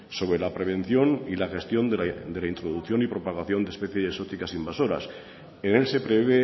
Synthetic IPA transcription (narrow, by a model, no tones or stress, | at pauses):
so̞β̞ɾe̞lapɾe̞β̞e̞n̟θjo̞nilaxe̞st̪jo̞nd̪e̞laint̪ɾoðukθjo̞nipɾo̞paɣaθjo̞nd̪espe̞θjeseso̞t̪ikasimbaso̞ɾa̰s | ene̞lse̞pɾeββe